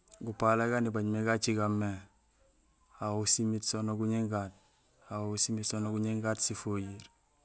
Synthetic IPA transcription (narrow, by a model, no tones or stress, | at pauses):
ɡupalaɡanibaɲmeɡat͡ʃiɡamːe | awusimitsonoɡuɲiŋɡat̚ | awousimitsonoɡuɲiŋɡatsifoɟiɾ